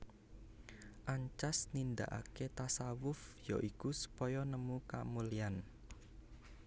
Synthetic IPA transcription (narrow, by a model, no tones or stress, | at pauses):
ʔaɲt͡ʃasnind̪a̰ʔa̰ket̪asawʊfjɔʔikusu̥pɔjɔnəmuka̰mulian